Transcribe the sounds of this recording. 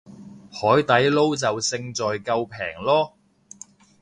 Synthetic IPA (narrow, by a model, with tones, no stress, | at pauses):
hɔː˨˥jt̪ɐ˨˥jlo˥wt͡sɐ˨wsɪ˧ŋt͡sɔː˨jkɐ˧wpʰɛ̰ː˨˩ŋlɔː˥